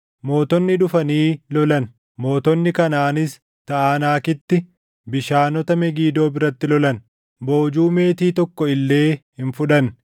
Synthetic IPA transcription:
mo̞ːt̪ɔnːɪᶑʊfɐniːlɔlɐn | mo̞ːt̪ɔnːɪkɐnaːnɪs | t̪ɐʔaːnaːkɪt̪ːɪ | bɪʃaːnɔt̪ɐmɛɡiːd̪o̞ːbɪɾɐt̪ːɪlɔlɐn | bo̞ːd͡ʒuːme̞ːt̪iːt̪ɔkːɔɪlːe̞ːhɪnfʊᶑɐn

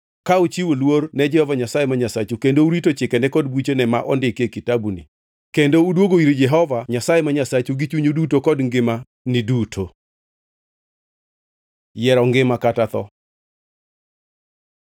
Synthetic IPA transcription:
kaut͡ʃiwolwornɛd͡ʒɛhɔvaɲasajemaɲasat͡ʃukendouɾitot͡ʃɪkɛnɛkɔd̚bwit͡ʃenɛmaʔɔndɪkekitabunḭ | kendoudwoɡoiɾd͡ʒɛɦɔvaɲasajemaɲasat͡ʃuɡit͡ʃuɲudutokɔdŋɡɪma | nɪdutʰo | jɛɾɔŋɡɪmakatat̪ɔ̰

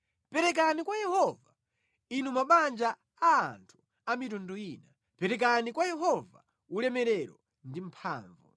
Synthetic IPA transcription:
pɛɾɛk̬anikwajɛhɔva | inumaɓand͡ʒaː | a̰ːntʰu̥ | amitɔndɔiːna | pɛɾɛk̬anikwajɛɦɔva̰ | ulɛmɛɾɛɾɔ | ndim̩pʰa̰ːɱvṵ

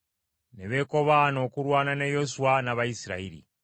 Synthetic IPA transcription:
neβeko̞βaːno̞ːkuɾwaːnanejosuanaβaisiɾa̰iɾḭ

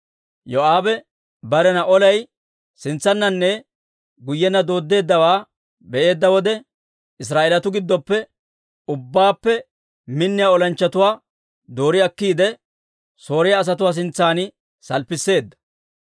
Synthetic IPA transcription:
joaːbɛ | bɐɾɛnɐʔɔlɐj | sɪnt͡sːɐnːɐnːɛ | ɡʊjːɛnːɐd̪o̞ːd̪ːe̞ːd̪ːɐwaː | bɛʔe̞ːd̪ːɐwɔd̪ɛ | ɪs̬ɾaːʔelɐt̪ʊɡɪd̪ːɔpːɛ | ʊbːaːpːɛ | mɪnːɪjaːɔlɐnt͡ʃːɐt̪ʊwaː | d̪o̞ːɾɪɐkːiːd̪ɛ | so̞ːɾɪjaːs̬ɐt̪̬ʊwaːs̬ɪnt͡sːaːnɪ | sɐlpːɪsːe̞ːd̪ːɐ̥

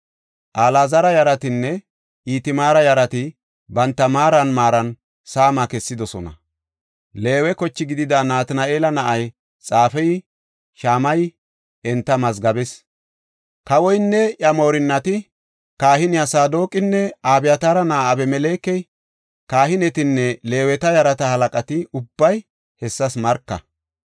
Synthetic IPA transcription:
ʔaːlaːzɐɾɐjɐɾɐt̪ɪnːɛ | ʔiːt̪ɪmaːɾɐjɐɾɐt̪ɪ | bɐnt̪ːɐmaːɾɐnmaːɾɐn | saːmakɛsːɪd̪ɔsɔnɐ̰ | le̞ːwɛkɔt͡ʃːɪɡɪd̪ɪd̪anaːt̪ɪnɐʔe̞ːlɐnɐʔɐj | t͡sʼaːfɛj | ʃaːmɐj | ɛnt̪ːɐmɐsɡɐbɛs | kɐwɔjnːɛjɐmo̞ːɾɪnːɐt̪ɪ | kaːhɪnɪjasaːd̪o̞ːkʼɪnːɛaːbɪjɐt̪aːɾɐnaːʔɐbɛmɛle̞ːkːɛj | kaːhɪnɛt̪ɪnːɛle̞ːwɛt̪ɐjɐɾɐt̪ɐhɐlɐkʼɐt̪ɪʊbːɐj | hɛsːɐsmɐɾkːɐ̰

